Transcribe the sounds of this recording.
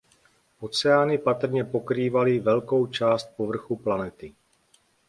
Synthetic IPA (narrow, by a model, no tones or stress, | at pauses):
ʔo̞t͡sɛaːnɪpat̪r̩ɲɛpo̞kɾiːvalɪvɛlko̞wt͡ʃaːst̪̚povr̩xuplanɛt̪ɪ